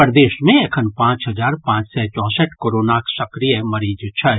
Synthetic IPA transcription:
əɾd̪eːʃmẽekʰənpãːt͡ʃɦɐd͡ʒaːɾpãːt͡ʃsɛt͡ʃɔ̃ːsəʈkoɾoːnaːksɐkɾijmɐɾiːd͡ʒt͡ʃʰɐɦ

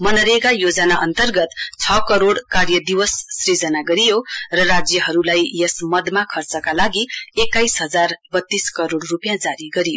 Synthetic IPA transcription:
mʌnʌɾekajod͡zʌnaʔʌnt̪ʌrɡʌt̪t͡sʰʌkʌɾoɽkarjʌd̪iwʌsːrid͡zʌnaɡʌɾijorʌrad͡zjʌɦʌɾulajjesmʌd̪makʰʌrt͡sʌkalaɡiekːajsɦʌd͡zarb̥ʌt̪ːiskʌɾoɽrupjãd͡zaɾiɡʌɾijo

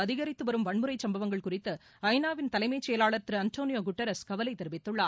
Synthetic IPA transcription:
ɐðɪɣɐɾɪt̪ːɯʋɐɾɯmʋɐɳmɯɾɐɪsɐmbɐʋɐŋɡɐɭkʊrɪt̪ːɐ | ɐɪnaːʋɪnt̪ɐlɐɪmɐjt͡ʃːɛjɐlaːɭɐɾt̪ɪɾɯɐnt̪oːnɪjoːɡʊʈːɐɾɐskɐʋɐlɐɪt̪ɛɾɯʋɪt̪ːɯɭːaː

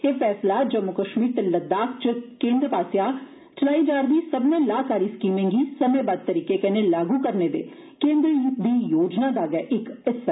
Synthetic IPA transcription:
eːpʰɛːslaːd͡ʒəmːʊkəʃmiːɾt̪eləd̪aːkʰt͡ʃəkẽːnd̪ɾpaːsjaː | t͡ʃəlaːiːd͡ʒaːɾd̪iːsəbnẽːlaːkaːɾiːskiːmẽːŋɡiːsəmẽːbaːd̪̚t̪əɾiːkeːkɛnẽːlaːɡuːkəɾneːd̪eː | kẽːnd̪ɾid̪iːjoːd͡ʒnaːd̪aːɡɛːʔɪkɪs

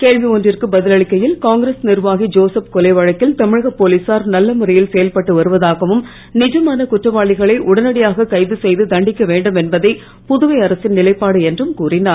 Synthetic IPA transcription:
keːɻʋiɔndrɪrkɯbɐðɪlɐɭɪkːɐjɪlkaːŋɡɾeːsnɪrʋaːɣid͡ʒoːsɐpkɔlɐɪʋɐɻɐkːɪlt̪ɐmɪɻɐɣɐpoːliːsaːɾnɐlːɐmʊrɐjɪlsɛjɐlpɐʈːɯʋɐɾɯʋɐðaːɣɐʋɯm | nɪd͡ʒɐmaːnɐkʊʈrɐʋaːɭɪɣɐɭɐɪʔʊɽɐnɐɽɪjaːɣɐkɐɪðɯsɛjðɯd̪ɐɳɖɪkːɐʋeːɳɖɯmɛnbɐðɐɪ | pʊðʊʋɐɪɐɾɐsɪnnɪlɐɪpːaːɽɯɛndrɯmkuːrɪnaː

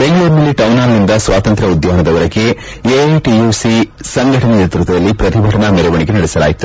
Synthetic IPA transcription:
beŋɡɐɭuːɾnɐlːiʈɐwnaːlnind̪ɐsʋaːt̪ɐnt̪ɾɐud̪jaɦɐnɐd̪ɐʋɐɾɐɡe̞ | eʈijuːsi | sɐŋɡʱɐʈɐnɐnet̪ɾut̪ɐd̪ɐlːipɾɐt̪ibʱɐɽɐɳɐmɛɾɛʋɐɳiɡenɐɽisɐla̰ːjit̪u

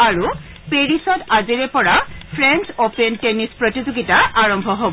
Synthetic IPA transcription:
aɹu | peɹisɔtaziɹɛpɔɹapʰɹɛnsopentenispɹotizoɡitaʔaɹɔmbʱɔɦob

